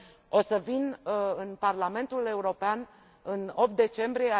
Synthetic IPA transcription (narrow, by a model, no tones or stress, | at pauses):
o̞səvinɨnparlame̞nt̪ule̞uɾo̞pean | ɨno̞p̚t̪̚d̪e̞t͡ʃe̞mbɾijea